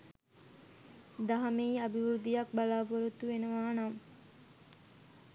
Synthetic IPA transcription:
d̪aɦɐmeːabiʋɾud̪ijak̚balaːboɾut̪uʋenəʋaːnam

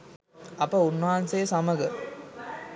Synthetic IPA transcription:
ɐpːɐʊnːaːnseːsɐmɐɡɐ

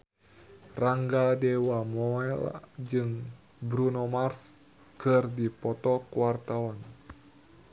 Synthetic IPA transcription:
raŋɡadɛwamɔɛld͡ʒɨŋ | bɾunɔmars | kɨrdipɔt̪ɔkuwart̪awɔn

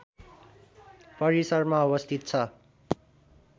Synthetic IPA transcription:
pʌɾisʌrmaʌbʌst̪ʰit̪̚t͡sʰʌ

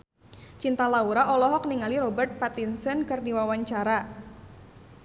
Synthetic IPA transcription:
t͡ʃint̪alauɾaʔɔlɔɦɔk̚niŋaliɾɔbərt̪̚pat̪insənkɨrdiwawaɲt͡ʃaɾa

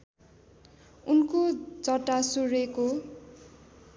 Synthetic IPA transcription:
unkod͡zʌʈːasuɾeko

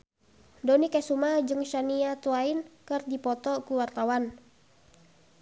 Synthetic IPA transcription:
dɔnikɛsumad͡ʒɨŋʃaniat̪uainkɨrdipɔt̪ɔkuwart̪awan

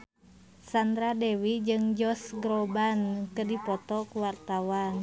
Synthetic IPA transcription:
sand̪ɾadɛwid͡ʒɨŋd͡ʒɔsɡɾobankədipɔt̪ɔkuwart̪awan

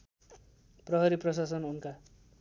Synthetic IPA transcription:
prʌɦʌɾiprʌsasʌnunka

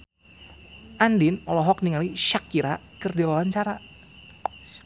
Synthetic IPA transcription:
ʔandɪnɔlɔɦɔk̚niŋaliʃakːiɾa | kərdiwawaɲt͡ʃaɾa

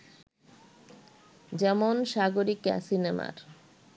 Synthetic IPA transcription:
d͡ʑɛmonʃaɡoɾika̰sinema̰ɾ

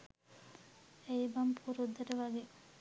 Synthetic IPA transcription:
eibɐmpʰuɾud̪ːɐʈəʋɐɡe

